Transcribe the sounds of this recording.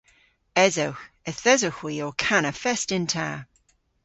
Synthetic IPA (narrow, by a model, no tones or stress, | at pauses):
ɛzoʊx | ɛθɛzoxwiɔkʰanəfɛstɪ̃ntʰa